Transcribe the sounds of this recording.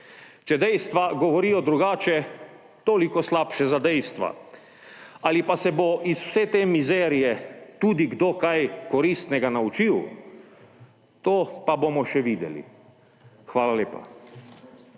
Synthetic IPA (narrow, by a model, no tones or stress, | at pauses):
t͡ʃɛd̪ɛjst̪ʋaɡɔʋɔɾiːjɔd̪ɾuɡaːt͡ʃɛ | t̪oːlikɔslaːpʃɛzad̪ɛjst̪ʋa̰ | alipasɛboʔisw̥sɛt̪emizɛːɾijɛt̪uːd̪iɡd̪okajkɔɾiːst̪nɛɡanaut͡ʃiw | t̪oːpabomɔʃɛʋiːd̪ɛ̰lḭ | xʋaːlaleːpa̰